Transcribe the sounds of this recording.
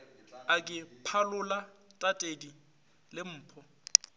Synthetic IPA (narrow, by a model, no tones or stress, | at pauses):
akʼɪpʰalʊlatʼatʼedi | lɪm̩ːpʰɔ